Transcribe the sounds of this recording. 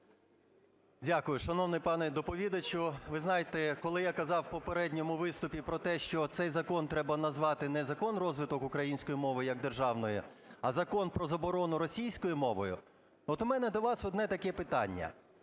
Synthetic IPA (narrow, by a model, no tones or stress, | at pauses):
dʲakʊjʊʃɐnɔwnɪjpɑnɛd̪ɔpɔʋʲid̪ɐt͡ʃʊʋɪznɑjet̪ɛkɔlˠɪjakɐzɑwpɔpeɾɛdʲnʲɔmʊʋɪst̪ʊpʲipɾɔt̪ɛʃt͡ʃɔt̪sɛjzɐkɔnt̪ɾɛbɐnɐzʋɑt̪ɪnɛzɐkɔnrɔzʋɪt̪ɔkʊkɾɐjinʲsʲkɔjimɔʋɪjjɐɡd̪erʒɑwnɔjʊ | ɐzɐkɔnpɾɔzɐbɔɾɔnʊɾɔsʲijsʲkɔjʊmɔʋɔjʊ̰ | ɔt̪ʊmɛnɛd̪ɔʋɑsɔd̪nɛt̪ɐkɛpɪt̪ɑ̰nʲːɐ̰